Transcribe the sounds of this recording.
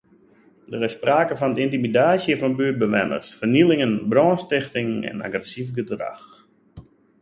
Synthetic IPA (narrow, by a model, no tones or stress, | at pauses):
dəɾɪsːpraːkəfɔndəintimidaːsjəfɔnbyːt̚bəʋɛnə̰rsfərnilɪŋənbrɔːnstɪxtɪŋɛ̰na̰ɡrɛsivɡədra̰x